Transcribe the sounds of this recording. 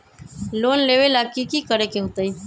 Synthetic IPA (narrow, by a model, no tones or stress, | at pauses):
lonleʋelakikiːkəɾekẽŋt̪əi